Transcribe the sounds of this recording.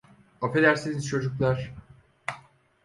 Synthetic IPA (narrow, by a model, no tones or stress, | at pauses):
aped̪æɾsiniz̥t͡ʃʰo̞d͡ʒuklˠaɾ̥